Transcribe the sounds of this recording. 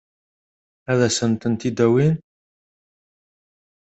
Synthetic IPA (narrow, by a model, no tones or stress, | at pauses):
æðæsənt̪ənt̪id̪æwin